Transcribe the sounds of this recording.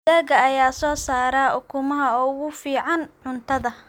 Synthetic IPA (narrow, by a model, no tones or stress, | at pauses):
ɛːɣɐːjaːsɔːsaːɾaʔʊkʰʊmɐɦɐɔʊɣʊfiːʕɑnʕʊnt̪ʰɐðɐ